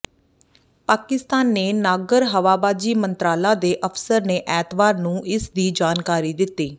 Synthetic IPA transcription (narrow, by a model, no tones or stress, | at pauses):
paːkɪst̪aːnːeːnaːɡəɾɦəʋaːbaːd͡ʒiːmənt̪ɾaːlaːd̪eːʔəpʰsəɾneːʔɛːt̪baːɾnũːʔɪsd̪iːd͡ʒaːnkaːɾiːd̪ɪt̪ːiː